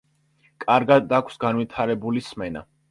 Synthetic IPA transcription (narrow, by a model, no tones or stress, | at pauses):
kʼaɾɡad̪akʷʰsɡanvit̪ʰaɾɛbulismɛna̰